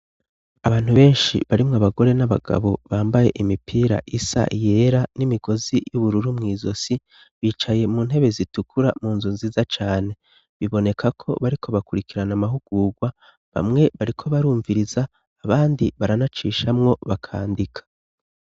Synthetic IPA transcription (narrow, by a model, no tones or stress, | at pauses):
aβaːn̥huβe̞ːnʃḭβaɾimŋaβaɡo̞ɾe̞naβa̰ɡa̰βo̞βaːmbaje̞̰ʔimipʰiːɾa̰ʔisa̰ʔije̞ɾanimiɡo̞zijuβuɾuɾumŋiːzo̞si | βiːt͡ʃaje̞muːn̥he̞βe̞zitukʰuɾamuːnzuːnziːzat͡ʃaːne̞ | βiβo̞ne̞kʰakʰo̞̰βaɾikʰo̞βakuɾikiɾanamaɦuɡ̥uːɡwa | βa̰mŋe̞βaɾikʰo̞βaɾuːɱviɾizaː | βaːndiβaɾanat͡ʃiːʃamŋo̞βakʰa̰ːndikʰḁ